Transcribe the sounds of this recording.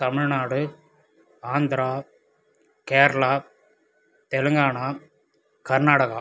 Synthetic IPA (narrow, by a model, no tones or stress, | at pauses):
t̪ɐmɪɻnaːɽɯ | aːnd̪ɪɾaː | keːɾɐlaː | t̪ɛlɯŋɡaːɳaː | kɐɾnaːɽɐɣa̰